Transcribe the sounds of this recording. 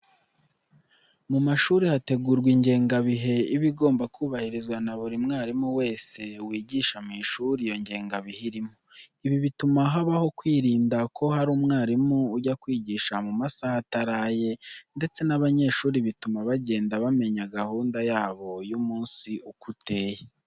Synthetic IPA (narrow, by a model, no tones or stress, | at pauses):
mumaʃuːɾihate̞ɡuːɾɡwiɲɟe̞ːŋɡaβiɦe̞iβiɡo̞ːmbakuːβahiɾizɡwanaβuɾimŋaːɾimuwe̞ːse̞wiːɟiːʃamiːʃuɾijoɲɟe̞ːŋɡaβihiɾimo | iβiβitumaɦaβaho̞kwiːɾiːndakʰo̞haɾuːmŋaːɾimuːɟakwiːɟiːʃamumasahataɾaːje̞nde̞t͡se̞naβaɲe̞ːʃuːɾiβitumaβaɟe̞ːndaβame̞ɲaɡahuːndajaːβo̞jumuːnsiʔukute̞ːje